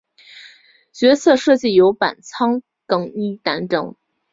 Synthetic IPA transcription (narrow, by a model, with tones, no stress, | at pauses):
t͡ɕɥɛ˧˥sʰɤ˥˧ʂɤ˥˧t͡ɕi˥˩jo˧˥ʊpa̰˨˩nt͡sʰɑ˥ŋ | kɤ˨˩ŋi˥˩t̪a˧˥nʈ͡ʂɤ̰˧˥˦ŋ